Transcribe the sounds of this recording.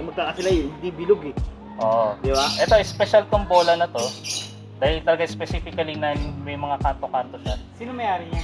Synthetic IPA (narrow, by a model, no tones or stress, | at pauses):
mɐɡ̚k̪aːkɐsɪlajɪnd̪ibɪloɡɛ | ʔoːʔod̪ɪbaʔɛt̪o̞ʔɪspɛʃɐlt̪oŋbo̞ːlɐnɐt̪o̞ | d̪aːhɪlt̪ɐlɐɡaʔɪspɛsiːfɪkɐlinanɪŋmɐjmɐŋakaːnt̪okant̪o̞ʃasiːnɐmɐjaːɾɪɲ